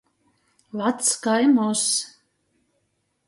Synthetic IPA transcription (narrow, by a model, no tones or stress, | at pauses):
lˠat̪skajmɔs